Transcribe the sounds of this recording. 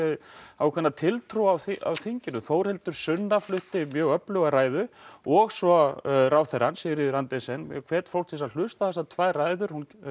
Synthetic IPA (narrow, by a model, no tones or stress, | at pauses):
ɛawkʰvɛnːat̪ʰɪlt̪ʰɾuawθa̰wθiɲcɪnʏθoːwɾ̥hɪlt̪ʏɾ̥sʏnːaflʏht̪ɪmjœːɣœplœɣaɾaːjðʏɔɣsɔɾawθɛɾansɪɾɪðʏɾant̪ɛsɛnkʰvɛːt̪fowl̥t̪ʰis̬al̥ʏst̪aθɛsat̪ʰvaːjraːjðʏɾ̥hun